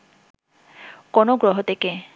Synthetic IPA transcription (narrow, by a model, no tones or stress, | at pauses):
kɔnɔɡɹɔɦɔtɛkɛ